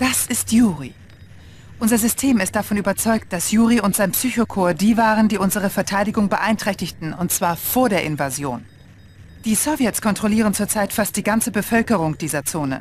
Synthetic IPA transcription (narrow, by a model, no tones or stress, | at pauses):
d̥asɪstjuːʁi | ʔʊnzɐzʏstʰeːmɪstd̥afɔnyːbɐt͡sɔʏk̚t̚d̥asjuːʁiʊntz̥aɪnpsyːçokʰoːɐdiːvaːʁəndiːʔʊnzəʁ̞əfɛɐtʰaɪɾɪɡʊŋbəʔaɪntʁ̥ɛçtɪçtn̩ʊntt͡sv̥aːɐfoːɐdeːɐʔɪnvazjo̰ːn | d̥iːsovjɛtskʰɔntʁ̥oliːʁ̞ənt͡suːɐt͡saɪtfast̚d̥iːɡant͡səbəfœlkəʁ̞ʊŋd̥iːzɐt͡soːnə̰